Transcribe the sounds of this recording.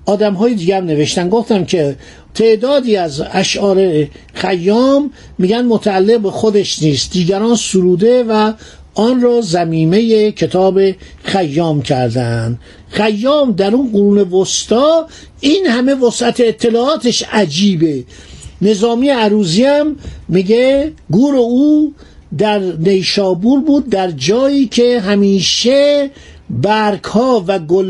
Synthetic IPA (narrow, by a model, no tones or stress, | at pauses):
ɒːd̪æmɦɒːjed̪iːɟæmne̞ve̞ʃt̪ænɡoft̪æmkʰe | t̪ʰeʔd̪ɒːd̪iːæzæʃʔɒːɾe̞xæjːɒːmː | iːɡænd̪mot̪ʰæːlːeɣbexod̪e̞ʃniːst̪̚d̪iːɟæɾɒːnsuɾuːd̪e̞væ | ɒːnrɒːzæmiːme̞jecʰe̞t̪ʰɒːbe̞ | χæjːɒːmcʰæɾd̪ænd̪ | χæjːɒːmd̪æɾunɢoɾuːne̞vost̪ɒː | iːnhæme̞vosʔæt̪ʰeːt̪ʰːe̞lɒːɒːt̪ʰeʃæd͡ʒiːbe̞ | ne̞zɒːmiːjeæɾuːziæmːiɡeɡuːɾeuː | d̪æɾnejʃɒːbuːɾbuːd̪̚ːæɾd͡ʒɒːiːkʰeɦæmiːʃe | bæɾkʰhɒːvæɡol